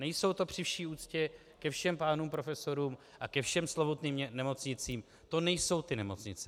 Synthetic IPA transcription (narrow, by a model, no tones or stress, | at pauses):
nɛjso̞wt̪o̞pr̝̥ɪfʃiːuːt͡scɛ | kɛfʃɛmpaːnuːmpɾo̞fɛso̞ɾuːm | ʔakɛfʃɛmslobot̪niːmnɛmo̞t͡sɲɪt͡siːm | t̪o̞nɛjso̞wt̪ɪnɛmo̞t͡sɲɪt͡sɛ